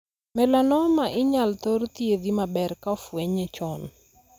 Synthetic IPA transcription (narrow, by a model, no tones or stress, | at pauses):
mɛlanɔmaʔɪɲalt̪ort̪ied̪imabɛrkaɔfweɲet͡ʃɔn